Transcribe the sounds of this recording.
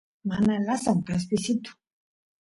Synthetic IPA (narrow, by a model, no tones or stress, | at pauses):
manalasaŋɡas̬pisit̪u̥